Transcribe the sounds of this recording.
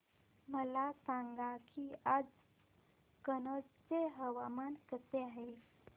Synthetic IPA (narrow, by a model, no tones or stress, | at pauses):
məlasaŋɡakiad͡z | kənət͡st͡seɦəʋamankəseaɦe